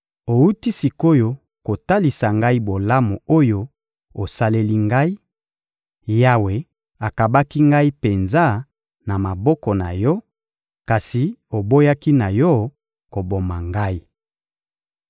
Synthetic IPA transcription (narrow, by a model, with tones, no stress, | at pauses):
o˨u˦ti˦si˨ko˦jo˦ | ko˨ta˦li˨sa˨ŋɡa˦i˦bo˨la˦mu˨o˦jo˦ | o˨sa˦le˦li˦ŋɡa˦i˦ | ja˦we˨ | a˨ka˨ba˦ki˦ŋɡa˦i˦pe˨nza˦˨ | na˨ma˨bɔ˦kɔ˨na̰˨jɔ˦ | ka˨si˨o˨bo˦ja˦ki˦na˨jɔ˦ | ko˨bo˨ma˨ŋɡa˦i˦